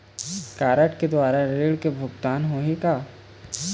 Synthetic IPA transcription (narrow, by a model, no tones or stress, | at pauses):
kaːɾəʈked̪waːɾaɾeːɭkebʱʊɡt̪aːnɦoːɦikaː